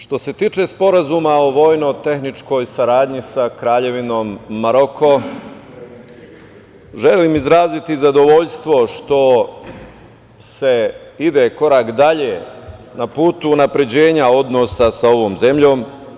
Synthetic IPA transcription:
ʃt̪o̞se̞t̪iːt͡ʃe̞spo̞ɾazumao̞ʋo̞jno̞t̪e̞xnit͡ʃko̞jsaɾaːd̪ɲisakɾaːʎe̞ʋino̞ːmːaɾo̞kʰo̞ | ʒe̞limizɾaːzit̪izad̪o̞ʋoʎst̪ʋo̞ʃt̪o̞ | se̞id̪e̞ko̞ɾaːkd̪aʎe | napuːt̪uːnapɾe̞d͡ʑe̞ːɲao̞d̪no̞sasao̞ʋo̞ːmze̞mʎo̞ːm

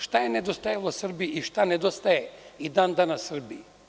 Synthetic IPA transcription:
ʃt̪ajened̪ost̪ajelˠosr̩biiʃt̪aned̪ost̪ajeid̪and̪anasr̩bi

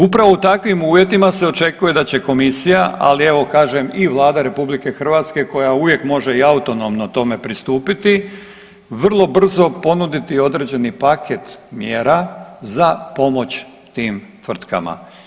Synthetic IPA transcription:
upɾaʋo̞ut̪akʋimuːʋje̞t̪imase̞o̞t͡ʃe̞kuje̞d̪at͡ɕe̞ko̞misijaʔa̰lie̞ʋo̞kaːʒe̞miʋlˠaːd̪aɾe̞publike̞xr̩ʋaːt̪ske̞ko̞jauʋje̞kmo̞ʒe̞iaut̪o̞no̞mnot̪o̞me̞pɾist̪uːpit̪i | ʋr̩lˠo̞br̩zo̞po̞nud̪it̪io̞d̪ɾe̞ːd͡ʑe̞nipaket̪mjeːɾazapo̞mo̞t͡ɕ | t̪iːmt̪ʋr̩t̪ka̰ma̰

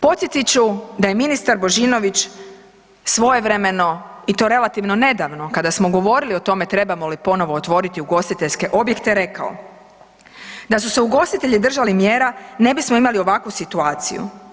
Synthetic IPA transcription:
po̞t̪sjet̪it͡ɕud̪ajeminist̪aɾbo̞ʒiːno̞ʋit͡ʃ | sʋo̞je̞ʋɾeme̞no̞it̪o̞ːɾe̞lˠat̪iʋno̞ne̞d̪aʋno̞kad̪asmo̞ɡo̞ʋo̞ɾilio̞t̪o̞me̞t̪ɾe̞bamolipo̞no̞ʋo̞ːt̪ʋo̞ɾit̪iuɡo̞st̪it̪e̞ʎʲske̞ʔo̞bje̞kt̪e̞ɾe̞ka̰o̰ | d̪asuse̞uɡo̞st̪it̪e̞ʎid̪r̩ʒalimjeːɾane̞bismoimalio̞ʋakʋusit̪uaːt̪sḭjṵ

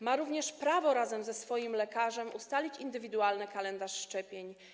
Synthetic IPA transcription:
maɾuvɲɛʂpɾavɔɾazɛmzɛsfɔjimlɛkaʐɛmʔust̪alʲit͡ɕind̪ɘvʲid̪ualnɘkalɛnd̪aʂːt͡ʂɛpʲjeɲ

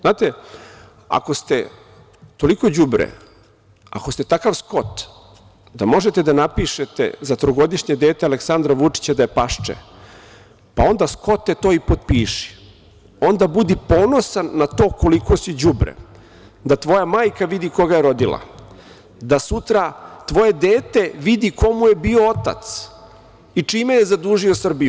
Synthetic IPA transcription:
znaːt̪e̞ | a̰ko̞st̪e | t̪o̞liko̞d͡ʑubɾḛ | a̰ko̞st̪et̪akaʋsko̞t̪ | d̪amo̞ʒe̞t̪e̞d̪anapiʃet̪ḛzat̪ɾoɡo̞d̪iʃɲed̪eːt̪ealeksand̪ɾaʋut͡ʂi̥t͡ɕad̪ajepaʃt͡ʃḛ | pao̞nd̪asko̞t̪ːet̪o̞ːipot̪̚piːʃi̥ | o̞nd̪abud̪ipo̞ːno̞sanːat̪o̞ːko̞liko̞sud͡ʑubɾḛ | d̪at̪ʋo̞jamaːjkaʋid̪iko̞ɡaje̞ɾo̞d̪ilˠa̰ | d̪asut̪ɾat̪ʋo̞je̞d̪eːt̪e̞ʋid̪iko̞muje̞bio̞ot̪a̰t̪s | it͡ʂiːmejezad̪uːʒio̞sr̩biu

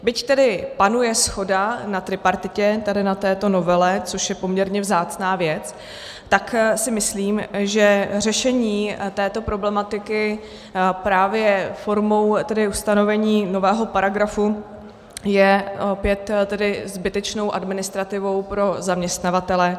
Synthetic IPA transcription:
bɪct̪ɛdɪpanujɛsxo̞danat̪ɾɪpaɾt̪ɪcɛt̪adɪnat̪ɛːt̪o̞no̞vɛlɛt͡so̞ʃjɛpo̞mɲɛɾɲɛvzaːt͡snaːvjɛt͡s | t̪aksɪmɪsliːmʒɛrɛʃɛɲiːt̪ɛːt̪o̞pɾo̞blɛmat̪ɪkɪ | pɾaːvjɛfo̞ɾmo̞wt̪ɛdɪust̪ano̞vɛɲiːno̞vɛːɦo̞paɾaɡɾafu | jɛopjɛt̪t̪ɛdɪzbɪt̪ɛt͡ʃno̞wʔadmɪnɪst̪ɾat̪ɪvo̞wpɾo̞zamɲɛst̪navat̪ɛlɛ

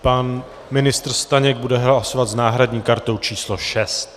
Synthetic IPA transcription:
pan | mɪnɪst̪r̩st̪aɲɛɡ̚budɛɦlaso̞vat̪znaːɦɾadɲiːkaɾt̪o̞wt͡ʃiːsloʃɛst̪

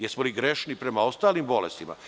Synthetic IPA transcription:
jesmoliɡɾeʃnipɾe̞mao̞st̪aːlimbo̞lest̪ima̰

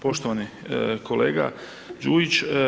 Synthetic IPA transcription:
po̞ʃt̪oʋani | kʰo̞leːɡa̰ | d͡ʒuːit͡ʃ

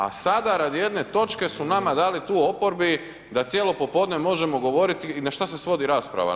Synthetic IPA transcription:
a̰sad̪aɾad̪ije̞d̪ne̞t̪o̞t͡ʃke̞sunamad̪aːlit̪uːo̞po̞ɾbi | d̪at̪sjelo̞po̞po̞d̪ne̞mo̞ʒe̞mo̞ɡo̞ʋo̞ɾit̪inaʃt̪as̬e̞sʋo̞d̪iɾaːspɾa̰ʋa̰

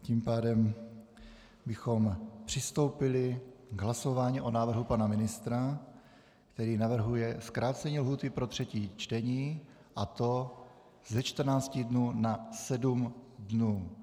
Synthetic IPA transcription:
cimpaːdɛm | bɪxo̞mpr̝̥ɪst̪o̞wpɪlɪɡɦlaso̞vaːɲiʔo̞naːvr̩ɦupanamɪnɪst̪ɾa | kt̪ɛɾiːnavr̩ɦujɛskɾʔaːt͡sɛɲiːlɦuːt̪ɪpɾo̞t̪r̝̥ɛciːt͡ʃt̪ɛɲiː | ʔat̪o̞ | zɛt͡ʃt̪r̩naːt͡scɪdnuːnasɛdumdnuː

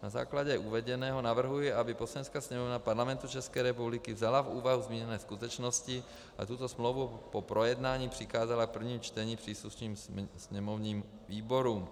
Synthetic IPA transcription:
naza̰ːklaɟɛʔuvɛɟɛnɛːɦo̞navr̩ɦujɪabɪpo̞sɛnskasɲɛmo̞vnapaɾlamɛnt̪ut͡ʃɛskɛːɾɛpublɪkɪvzalafuːvaɦuzmiːɲɛnɛːskut̪ɛt͡ʃno̞scɪ | ʔa̰t̪ut̪o̞smlowvupo̞pɾʔo̞jɛdnaːɲiːpr̥ɪxaːzalak̚pr̩vɲiːmt͡ʃt̪ɛɲiːpr̝̥iːsluʃniːmssɲɛmo̞vniːm | viːbo̞ɾuːm

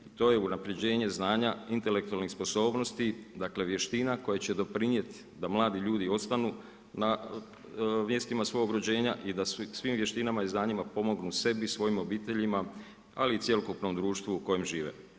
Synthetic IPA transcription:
it̪o̞je̞unapɾed͡ʑe̞ːɲe̞znaːɲaint̪e̞le̞k̚t̪ualnixspo̞so̞ːbno̞st̪id̪akle̞ʋje̞ʃt̪inako̞jat͡ɕe̞d̪o̞pɾinje̞t̪i̥ | d̪amlˠaːd̪iʎuːd̪io̞t̪st̪anu | na | mje̞st̪imasʋo̞ɡoɡɾod͡ʑe̞ːɲaʔid̪assʋiːmʋje̞ʃt̪inamaiznaːɲimapo̞mo̞ɡnuse̞bisʋo̞jimo̞biːt̪e̞ʎima | a̰lit̪sje̞lokupno̞md̪ɾuːʃt̪ʋuːko̞jemʒiːʋḛ

